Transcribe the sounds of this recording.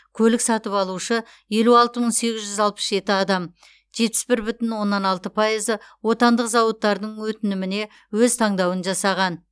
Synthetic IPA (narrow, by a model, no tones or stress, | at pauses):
kʲʰɵlɪksɑt̪əpɑlˠuʃə | je̞luɑlˠt̪əməɴse̞ɡʲɪzʒʏzɑlˠpə̥sʒe̞t̪ɪɑd̪ɑm | ʒ̥e̞t̪̚pɪ̥sbɪɾbʏt̪ɪnwo̞nːɑnɑlˠt̪əpʰɑjəzəwo̞t̪ɑnd̪əqzɑwət̪ːɑɾd̪əɴwɵt̪ɪnɪmɪne̞ | wɵzt̪ʰɑɴd̪ɑwənʒɑsɑʁɑn